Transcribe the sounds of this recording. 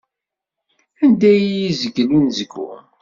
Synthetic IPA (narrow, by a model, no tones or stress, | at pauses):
ænd̪æjizəɡlinzəɡṵ